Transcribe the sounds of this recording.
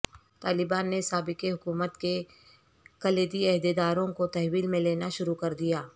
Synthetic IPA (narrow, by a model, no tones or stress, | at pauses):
t̪aːlɪbaːnːesaːbɪkeɦʊkuːmət̪ke | kɐleːd̪iɛɦd̪ed̪aːɾõkot̪ɛɦwiːlmẽleːnaʃʊɾukɐɾd̪ijaː